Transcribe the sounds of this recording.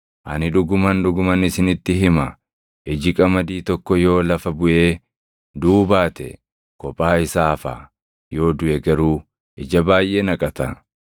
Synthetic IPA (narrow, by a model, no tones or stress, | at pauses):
ʔɐnɪᶑʊɡʊmɐnᶑʊɡʊmɐnɪsɪnɪt̪ːɪɦɪmɐ | ʔɛd͡ʒɪkʼɐmɐd̪iːt̪ɔkːɔjo̞ːlɐfɐbʊʔe̞ː | d̪uːbaːt̪ɛ̰ | kɔpʼːaːɪsaːfa̰ː | jo̞ːd̪ʊʔɛɡɐɾuː | ʔɛd͡ʒɐbaːjʔeːnɐkʼɐt̪ɐ